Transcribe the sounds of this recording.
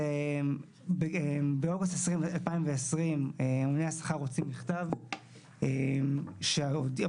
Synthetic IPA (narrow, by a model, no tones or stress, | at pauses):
em | beebeo̞ɡustesʁimalpaimveesʁimeumnejhasḁχaʁot͡simːiχt̪av | emʃeod